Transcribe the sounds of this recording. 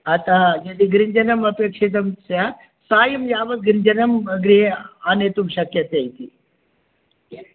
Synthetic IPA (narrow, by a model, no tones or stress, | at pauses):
ɐt̪ad͡ʒed̪iɡɾind͡ʒɐnɐmɐpjɐkʂit̪̬ɐmsa | saːjɐmjaːʋɐt̪̚ɡɾɪnd͡ʒɐnɐmɐɡɾianet̪umɕɐkjɐt̪jɐjt̪i